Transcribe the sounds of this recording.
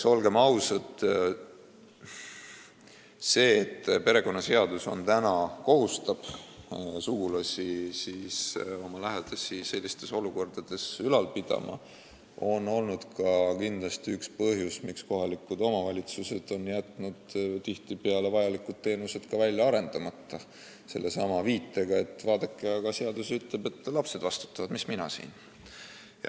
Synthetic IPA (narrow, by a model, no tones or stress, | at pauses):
so̞lɡe̞mɑwsɑt̪ | se̞ːt̪ːpe̞ɾe̞ko̞nːɑse̞ɑd̪uso̞̰nt̪ænɑko̞ɦust̪ɑb̥ | suɡulɑsisiso̞mɑlæɦed̪̥ɑsise̞lʲːist̪e̞so̞luko̞rd̪̥ɑd̪̥e̞sylɑlpid̪̥ɑ̰mʔɑ̰ | o̞no̞lnud̪̥kɑkind̪̥lɑst̪iykspɤɦjusmiksko̞ɦɑlikˑːud̪o̞mɑvɑlʲit̪suse̞d̪̥o̞njæt̪ˑnud̪̥t̪iht̪ipe̞ɑle̞vɑjɑlikːˑud̪̥̚t̪ːe̞ːnuse̞d̪̥kɑvælʲjɑɑɾe̞nd̪̥ɑmɑt̪ːˑɑ | se̞̰lːe̞sɑmɑviːt̪ːˑe̞ɡ̥ɑe̞t̪ːˑvɑːd̪ekːˑeɑɡɑseɑd̪̥usyt̪lebe̞t̪ːlɑpse̞d̪vɑst̪u̥t̪ːˑɑvɑd̪̥misminɑ̰sḭːn | j̰